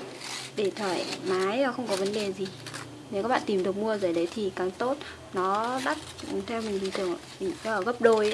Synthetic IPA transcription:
ɗe˧˩t̪ʰwəː˧˩jmaː˨˦ja˨˦xə˧wŋ͡mkɔ˨˦və˨˦nɗe˨˩zi˨˩ | ne˨˦kaː˦˥ɓa̰ː˧˨t̪i˨˩mɗɨ˨˩ək̚mu˧əzə̰ː˧˩jɗə˨˦jt̪ʰi˨˩kaː˨˩ŋt̪o˦˥t̚ | nɔ˨˦ɗa˦˥t̚t̪ʰɛ˧wmi˨˩ŋ̟li˧˩t̪ɨ˨˧˩əŋ | mi˨˩ŋ˧ə˧˩ɣə˦˥p̚ɗo˧j

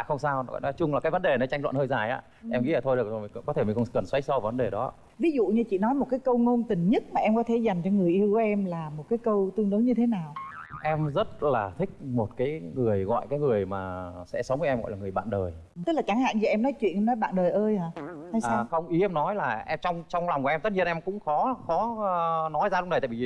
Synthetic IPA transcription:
xə˧wŋ͡msaː˧wɣɔ̰˧˨jnɔ˨˦jt͡ɕʊ˧ŋ͡mlaː˨˩kaː˨˦və˨˦nɗe˨˩nɔ˨˦jt͡ɕa˧ŋlw̰a̰˧˨nhəː˧jzaː˨˩jʔa̰ː˧˦ | ʔɛ˧mḭ˧˥˦əː˨˩t̪o˧jɗɨ˨˩əkzo˨˩˨kɔ˨˦e˧˩mi˨˩xə˧kə˨˩nswa˨˦˥j̚sɔ˧wvvə˨˦nɗe˨˩ɗɔ̰˨˦˧ | vi˨˦zṵ˧˨ɲɨ˧t͡ɕḭ˧˨nɔ˨˦jmo˨˩t̚kaː˨˦jkə˧wŋo˧nt̪ï˨˩ŋ̟ɲə˦˥t̚maː˨˩ʔɛ˧mkɔ˨˦t̪ʰe˧˩˦za˨˩jŋ̟t͡ɕɔ˧ŋɨ˨˩əjʔi˧əwkɔ˨˦ʔɛ˧mlaː˨˩mo˨˩t̚kaː˨˦jkə˧wt̪ɨ˧əŋɗo˨˦ɲɨ˧t̪ʰe˨˦naː˨˩wʔɛ˧mzə˦˥t̚laː˨˩t̪ʰï˦˥k̟̚mo˨˩t̚kaː˨˦jŋɨ˨˩əjɣɔ̰˧˨jkaː˨˦jŋɨ˨˩əjmaː˨˩sɛ̰˧˥sə˨˦wŋ͡mvəː˨˦ʔɛ˧mɣɔ̰˧˨jlaː˨ŋɨ˨˩əjɓa̰ː˧˨nɗəː˨˩jt̪ɨ˦˥k̚la˨˩t͡ɕa˧˩ŋɦa̰ː˧˨ŋt͡ɕi˨˩ʔɛ˧mnɔ˨˦jt͡ɕwḭ˧˨ənʔɛ˧mnɔ˨˦jɓa̰ː˧˨nɗəː˨˩jʔəː˧jhaː˨˩t̪ʰaː˧jssaː˧˨xə˧wŋ͡mʔi˨˦ɛ˧mnɔ˨˦jlaː˨˩ʔɛ˧mt͡ɕɔ˧wŋ͡mt͡ɕɔ˧wŋ͡mlwŋ͡mkːʔɛ˧t̪ə˦˥t̚i˧ənʔɛ˧mkʊ̰˧˥ŋ͡mxɔ˨˦xɔ˨˦˧nɔ˨˦jzaː˧ɗʊ˧˥ŋ͡mɗə˨˩t̪a̰ː˧˨i˧˨˧

